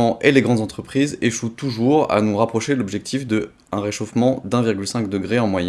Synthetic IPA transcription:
ɑ̃ʔeleɡʁɑ̃d̪zɑ̃t̪χəpχizeʃut̪uʒuʁa̰nuʁapχɔʃelɔbʒɛk̚t̪ʰifd̪ə | ɛ̃ʁeʃofmɑ̃d̪ɛ̃viʁɡʲylsɛ̃kd̪əɡʁeɑ̃mwajɛ̃

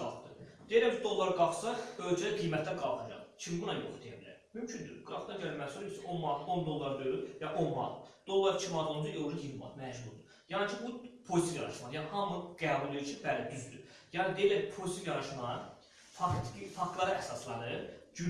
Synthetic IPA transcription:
ɑ̰lˠt̪d̪ɯd̪elæmt͡ʃʰid̪o̞lˠːɑɾɡɑχsɑbøld͡ʒɛɡijmæt̪ʰd̪ænɡɑlˠxɑd͡ʒɑ̰χt͡ʃʰimbunɑjo̞̰χd̪ijæ̰bilæ̰ɾmymt͡ʃʰynd̪y̰ɡɾɑt̪nɑd͡ʒøɾmæsoɾisiʔonmɑɾt̪ʰo̞nd̪o̞lˠːɑɾd̪øɾyɾjɑʔo̞nmɑ̰ɾt̪d̪̥o̞lˠːɑɾt͡ʃʰimɑd̪ulˠud͡ʒ̪ɑʔoulihilmɑ̰mæʃhuɾd̪u | jɑnit͡ʃʰibupʰozsijɑɾɑʃmɑjɑnihɑmɯɡ̥æːbulˠːijɾt͡ʃʰibælæd̪yzd̪y̰ | jɑːnid̪eilæpʰozisivjɑɾɑʃmɑɾ | fɑkt̪ʰifɑkt̪lˠɑɾɑʔæsɑslˠɑnɯɾd͡ʒy

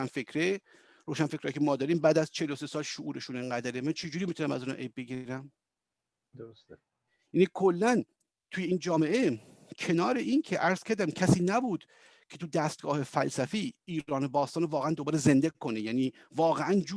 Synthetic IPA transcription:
ænfekʰɾe | ɾoːʃænfekɾ̥ɒːjcʰemɒːd̪ɒːɾiːmbæːd̪æzt͡ʃʰelose̞sɒːlʃoʔuːɾe̞ʃuneŋɡæd̪æɾemænt͡ʃʰe̞d͡ʒuːɾimit̪ʰunæmæ̰zunɒ̰ːʔejb̚be̞ɟiɾæm | d̪̥oost̪e | jænikʰolːæn | t̪ʰuːjeiːnd͡ʒɒːme̞ʔe̞ | cʰe̞nɒːɾeʔiːncʰeʔæɾz̥kʰæɾd̪æmcʰæsiːnæbuːd̪̥ | cʰe̞t̪ʰud̪æst̪̚ɡɒːhe̞fælsæfiːiːɾɒːnebɒːst̪ɒːnevɒːɣeænd̪obɒːɾeze̞nd̪ekʰo̞nejæːniː | vɒːɣeʔænd͡ʒuː

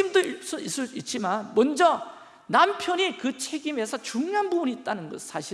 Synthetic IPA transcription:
imdos͈uis͈ɯɭs͈uit̚t͡ɕ͈imanmʌnd͡ʑʌ | nampʰjʌnikɯt͡ɕʰe̞ɡime̞sʰʌt͡ɕuŋjoɦanbubuniːt̚t͈anɯnɡʌsʰaɕʰi

